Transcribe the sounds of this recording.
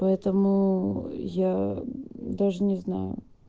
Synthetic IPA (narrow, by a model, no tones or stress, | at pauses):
pɐɛt̪əmʊ | ja | d̪aʐɨnʲɪzna̰jʊ̰